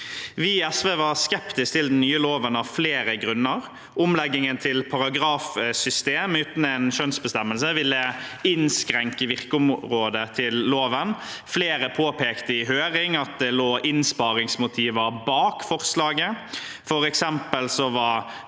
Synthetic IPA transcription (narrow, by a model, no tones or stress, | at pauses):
ʋɪɛsʋeːʋɑɾskɛpt̪ɪskt̪ʰɪld̪ɛnnːyːəloːʋənɑʋfleːɾəɡɾʉnːəɾ | ʊmlɛɡːɪŋənt̪ʰɪlpʰɑɾɑɡɾɑːfsʏst̪eːmʉːt̪n̩ɛnʃœnsbəst̪ɛmːəlsəʋɪlːəɪnskɾɛŋkəʋɪʁkəʊmʁoːd̪ət̪ʰɪlːoːʋənfleːɾəpʰoːpʰeːkt̪əɪɦøːɾɪŋɑt̪̚d̪ɛloːʔɪnspɑːɾɪŋsmʊt̪ʰiːʋəɾbɑːkfɔʁslɑːɡə | fɔɾɛksɛmpəlsɔʋɑɾ